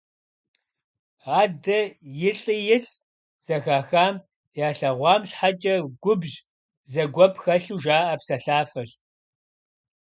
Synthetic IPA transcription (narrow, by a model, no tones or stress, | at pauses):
aːdɐjɪɬʼijɪɬʼ | z̥ɐxaːxaːm | jaːɬɐʁʷɑːmɕħat͡ʃʼɐɡʷʊbʑ | zɐɡʷɔpʰxɐɬuːʒaːʔɐpsɐɬaːfɐɕ